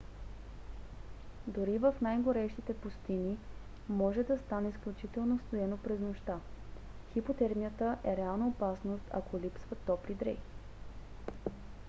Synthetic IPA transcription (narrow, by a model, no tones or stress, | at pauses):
d̪oɾivəfnajɡoɾɛʃt̪it̪ɛpʊst̪ini | mɔʒɛd̪ɐst̪anɛisklʲut͡ʃit̪ɛlˠnost̪oɛnopɾɛznoʃt̪a | xipot̪ɛɾmijət̪əʔɛɾɛalˠnɐopasnost̪ɐ̰kolʲipsvət̪ɔpɾid̪ɾɛ̰j